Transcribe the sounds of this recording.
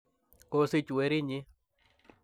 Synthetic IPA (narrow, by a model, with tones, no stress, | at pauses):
ko˧si˧t͡ʃu˨e˦ɾi˦ɲẽ˦